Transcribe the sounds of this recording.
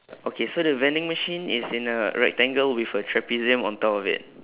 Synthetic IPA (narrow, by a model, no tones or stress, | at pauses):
ʔokʰesodəvɛ̃ndɪ̃ŋməʃĩnisĩnəɹɛ̰k̚tɛ̃ŋɡəlwifətʰɹɛpizə̃mɔ̰̃ntɔpɔfɪ̰t̚